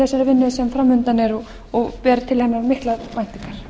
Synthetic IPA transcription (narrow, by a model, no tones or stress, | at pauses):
ɛsaɾɪvɪnːʏðsɛmfɾamːʏnt̪anɛɾɔ | ɔɣpɛːɾʏt̪ʰɪlhɛnːaɾmɪht̪laðmajn̥t̪iŋkaɾ̥